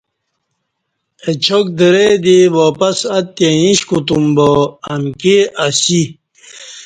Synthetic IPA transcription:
et͡ɕʰok̚d̪əɾed̪ewoːpɐsɐt̪ẽĩɕkut̪umboɐmkeɐsi

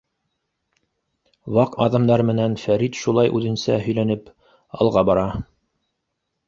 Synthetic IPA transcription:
wɑqɑðɑmd̪ɑɾmɘ̆nænfæɾit̪ʃulˠɑjʔʉðɘ̆nsæ̰ɦɵ̆jlænɘp | ɑ̰lˠʁɑbɑɾɑ

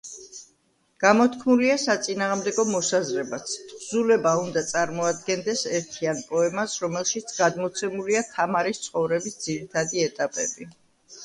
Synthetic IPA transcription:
ɡ̥amɔt̪ʰkʰmuliasat̪sʼinaːʁmd̪ɛɡɔmɔsazɾɛbat̪sʰt̪ʰʼzulɛbaund̪at̪sʼaɾmɔad̪̚ɡɛnd̪ɛsɛɾt̪ʰianpʼɔɛmasɾɔmɛlˠʃit̪sʰɡ̥ad̪mɔt̪sʰɛmuliat̪ʰamaɾist̪sʰχɔvɾɛbisd̪ziɾit̪ʰad̪iɛt̪ʼapʼɛ̰bi

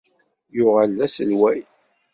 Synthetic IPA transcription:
jʊʁəlːæsəlwæj

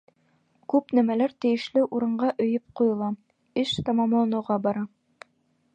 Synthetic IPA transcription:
kʉpnæmælæɾt̪ɘ̆jɘ̆ʃlɘʔuɾɤ̆ɴɢɑʔɵ̆jɵp̚qujɤ̆lˠɑ | ɘʃt̪ɑmɑmlˠɑnɤ̆wʁɑbɑɾɑ

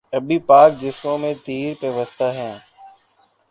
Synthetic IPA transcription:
əbipaːk̚d͡ʑɪsmõmẽt̪iːɾpeʋəst̪aɦɛ̃ː

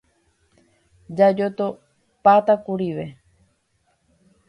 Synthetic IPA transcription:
d͡ʒad͡ʒot̪o | pat̪akuɾiʋe

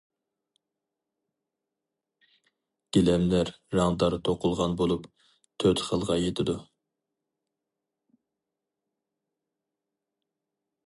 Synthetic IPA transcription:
ɡ̥ʲelɛmlæɾːɑŋd̪ɑɾt̪ʰoqʊlˠʁɑnbolˠup | t̪ʰøt̪χəlˠʁɑjet̪ʰɪd̪u

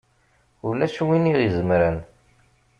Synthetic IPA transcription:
ʊlæʃuwiniʁizəmɾæn

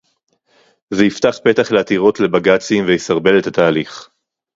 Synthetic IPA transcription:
zeiftaχpe̞t̪aχleat̪iʁo̞t̪le̞baɡat͡simvejisaʁbe̞let̪at̪aːliχ

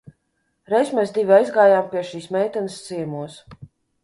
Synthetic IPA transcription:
ɾɛjsmʲɛːsd̪ivʲiajzɡaːjaːmpiɛʃiːsmɛːjt̪ɛnɨst̪siɛmuɔs

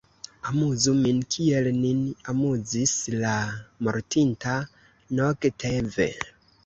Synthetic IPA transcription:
amuzuminkʰiɛlninamuzislamoɾtʰinta | nɔɡtʰevḛ

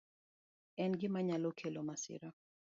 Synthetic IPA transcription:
ɛnɡɪmaɲalokʰelomasɪ̰ɾɔ

